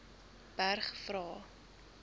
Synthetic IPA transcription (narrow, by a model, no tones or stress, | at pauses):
b̥ærχfrɑː